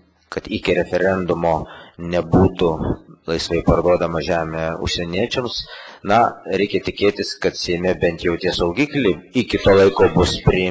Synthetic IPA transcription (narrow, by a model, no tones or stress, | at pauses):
kɐt̪ɪkʲɪɾʲɛfʲɛɾʲɛnd̪ʊmoːnʲɛbuːt̪ʊlˠɐɪsʋɐɪpɐɾd̪uɔd̪ɐmɐʒʲæːmʲeːʊ̰ʃʲsʲɛnʲiɛt͡ʃʲɛmsnɐɾʲɛɪkʲɛt̪ʲɪkʲeːt̪ʲɪskɐt̪sʲɛɪmʲɛbʲɛnt̪jɛʊt̪ʲiɛsɐʊɡʲiːklʲɛɪɪkʲɪt̪oːlˠɐɪkoːbʊspʲɾʲɪ